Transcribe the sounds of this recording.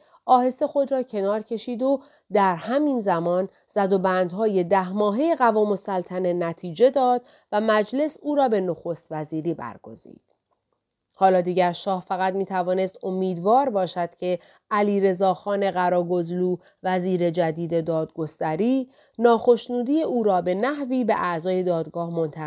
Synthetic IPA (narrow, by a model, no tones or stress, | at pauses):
ʔɒːhe̞st̪e̞xo̞d̪ɾɒːcʰe̞nɒːɾcʰe̞ʃiːd̪o | d̪æɾhæminzæmɒːn | z̥æd̪o̞bæːnd̪ɦɒːje̞d̪æhmɒːɦe̞jeɣævɒːmo̞sælt̪ʰæne̞næt̪ʰiːd͡ʒe̞d̪ɒːd̪̥ | væmæd͡ʒle̞suːɾɒːbe̞no̞xost̪væziːɾiːbæ̰ɾɡo̞̰zḭːd̪̥ | hɒːlɒːd̪iːɟæɾʃɒːhfæɣæt̪miːt̪ʰævɒːne̞st̪o̞miːd̪vɒːɾbɒːʃæd̪̥cʰe̞ | æliːɾe̞zɒːxɒːne̞ɣæɾɒːɡo̞zluː | væziːɾe̞d͡ʒæd̪iːd̪e̞d̪ɒːd̪ɡo̞st̪æɾiː | nɒːxo̞ʃnuːd̪iːeʔuːɾɒːbe̞næhviːbe̞̰ʔæʔzɒːje̞d̪ɒːd̪ɡɒːhmo̞nt̪ʰæ